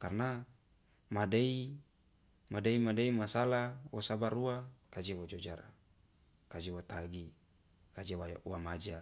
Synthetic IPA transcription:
karna | madei | madeimadeimasalawosabaɾuakad͡ʒewod͡ʒod͡ʒaɾa̰ | kad͡ʒiwot̪aɡi | kad͡ʒewawamad͡ʒa

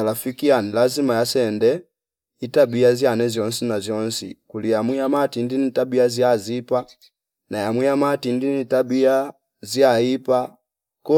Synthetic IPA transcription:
alafikianilazimajasɛndɛ | itabiazjanɛzjɔnsinazjɔnsḭkulijamwijamatindinitabiaziazipa | najamwijamatindinitabia | ziaipa | kɔ

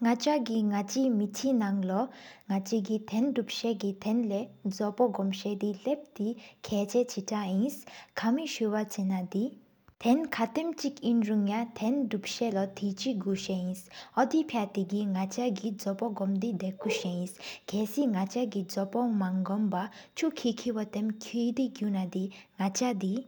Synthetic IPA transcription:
ŋat͡ɕaɡiŋat͡ɕimit̪ʰinaŋlɔŋat͡ɕiɡit̪ʰɛndup̚ɕɛɡit̪ʰɛnlɛd͡zɔpɔɡɔmɕɛd̪ilep̚t̪ikʰɛːt͡ɕɛt͡ɕʰitʰajinskʰamiɕuwat͡ɕɛnad̪i | t̪ʰɛnkʰat̪emt͡ɕikinɹuŋjat̪ʰɛnɖupʃɛlɔt̪ʰit͡ʃiɡuʃeĩsɔd̪ipʰjat̪iɡiŋat͡ʃaɡid͡zɔpɔɡɔmd̪id̪ɛkʰuʃeĩskʰɛsiŋat͡ʃaɡid͡zɔpɔŋmaŋɡɔmba | t͡ʃʰukʰikʰiwɔt̪ɛmkʰijd̪iɡjunad̪iŋat͡ʃad̪i

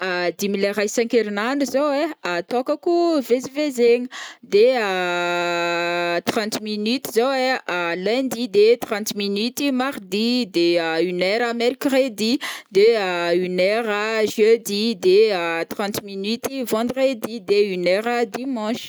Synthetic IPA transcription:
əd̪imileʁajsɛ̃keɾinanuzoweat̪ɔ̃kakuvezivezeŋəd̪eə | t̪ʁɑ̃nt̪minyt̪izoweəlɛ̃d̪id̪et̪ʁɑ̃t̪minyt̪imaʁd̪id̪eəynɛɾameɾikred̪id̪eəynɛɾəʒød̪id̪eət̪ʁɑ̃t̪minyt̪ivɑ̃d̪ʁed̪id̪eynɛɾəd̪imɑ̃ʃ

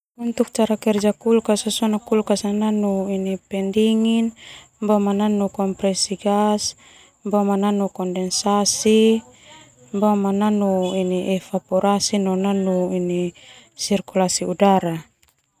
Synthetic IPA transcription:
unt̪uk̚t͡ʃaɾakɛrd͡ʒakulkasasɔnakulkasananuinipɛndiŋin | bamananukɔmpɾɛsiɡas | bamananukɔndɛnsasi | bamananuiniʔɛfapɔɾasinɔnanuini | sirkulasiudaɾa

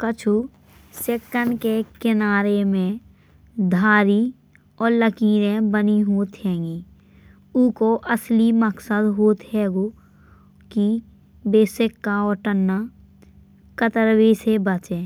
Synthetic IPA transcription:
kət͡ʃʰu | seːkːənɖkekɪnaːɾemẽ | d̪ʱaːɾi | ɔːɾləkiːɾẽbəniɦoːt̪ɦɛ̃ːŋɡiː | ʊkoʔəsliməksəd̪ɦoːt̪hɛːɡo | ki | beːsɪkːaɔːɾʈənːa | kət̪əɾwisebət͡ʃẽː

